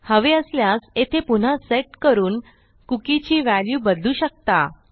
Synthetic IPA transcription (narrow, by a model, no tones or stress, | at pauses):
həʋeəsljaset̪ʰepun̤aseʈkəɾuːn | kukit͡ɕiːʋæljuːbəd̪luːɕək̚t̪a̰